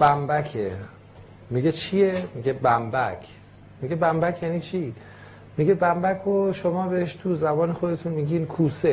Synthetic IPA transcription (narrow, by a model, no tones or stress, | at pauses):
b̥æmbækʰe | miɡe̞t͡ʃʰijemiɡebæmbækʰ | miɡe̞bæmbæcʰjænit͡ʃʰi | miɡebæmbækʰoʃomɒːbeheʃt̪ʰuzæbɒːnexod̪e̞t̪ʰuːnmiːɡiːnkʰuːse